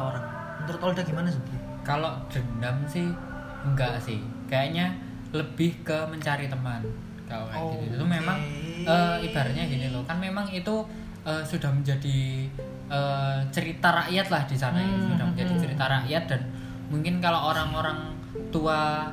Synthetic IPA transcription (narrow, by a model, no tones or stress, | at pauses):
oɾaŋ | mənt̪ɾʊt̪ldaɡ̥imanasudi | kaloʔd̥əndamsɪh | ŋɡaʔsɪh | kajaʔɲa | ləb̥ɪhkəməɲt͡ʃaɾit̪əman | kalokaɡiut̪ut̪umemaŋʔəːib̥a̤ɾat̪ɲaɡinilokanmemaŋit̪u | ʔəːsud̥ahməɲd͡ʒadi | ʔəːt͡ʃəɾit̪aɾaʔjat̪̚lahd̥isanaisudahəɲd͡ʒadit͡ʃəɾit̪aɾaʔjat̪̚d̥an | muŋkɪnkaloʔoɾaŋoɾaŋ | t̪ua